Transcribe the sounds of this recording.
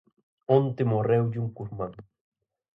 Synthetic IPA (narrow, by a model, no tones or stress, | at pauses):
ont̪emorewjuŋkuɾmaŋ